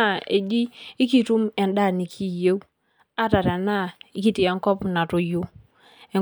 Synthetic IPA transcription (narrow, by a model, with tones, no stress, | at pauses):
a˦˨e˨d͡ʒi˦ɪ˦ki˨tu˦mɛ˨nda˦˨ni˨kʰi˦je˦w | a˦ta˨ɾɛ˨na˦˨ɪ˦ki˦˨tɪ˨a˦ŋkɔ˦pna˨tʊ˨jʊ˦ | ɛ˨